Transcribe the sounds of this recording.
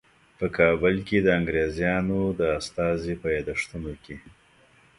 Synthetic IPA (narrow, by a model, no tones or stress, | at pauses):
pəkʰɑbəlked̪əaŋɡɾezjɑnod̪əast̪ɑzipəjɑd̪aʂt̪unoke